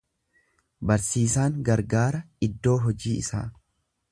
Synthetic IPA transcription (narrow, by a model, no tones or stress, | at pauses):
bɐɾsiːsaːŋɡɐɾɡaːɾɐ | ɪd̪ːo̞ːɦɔd͡ʒiːɪ̰sa̰ː